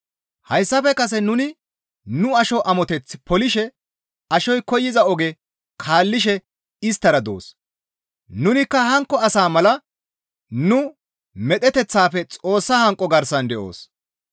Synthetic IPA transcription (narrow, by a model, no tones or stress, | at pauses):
hɐjsːɐfɛkɐs̬ɛnʊnɪ | nʊɐʃɔʔɐmɔt̪ɛt͡sːɪpɔlɪʃɛ | ɐʃɔjkɔjːɪzɐɔɡɛ | kʰaːlːɪʃ̬ɛ | ɪst̪ːɐɾɐd̪o̰ːs | nʊnɪkːɐhɐŋkːɔɐsaːmɐlɐ | nʊ | mɛt̪ɛt̪ɛt͡sːaːfɛt͡sʼo̞ːsːahɐŋkʼːɔɡɐɾsɐnd̪ɛʔo̰ːs